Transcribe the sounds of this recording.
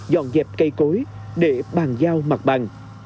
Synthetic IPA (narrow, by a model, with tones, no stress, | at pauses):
zɔ̰˧˨nzɛː˨˩p̚kə˧jko˨˦jɗe˧˩ɓaː˨˩ŋzaː˧wma˨˩k̚ɓa˨˩ŋ